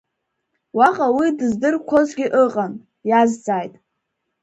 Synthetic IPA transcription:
waqʼawidɨzdɨrkʷʰo̞zɡʲɪʔɨqʼan | jazd͡zaːjtʼ

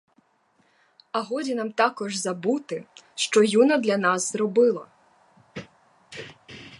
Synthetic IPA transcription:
ɐɦɔdʲinɑmt̪ɑkɔʒzɐbut̪ɪʃt͡ʃɔjunɐd̪lʲɐnɑzzrɔbɪlˠɐ

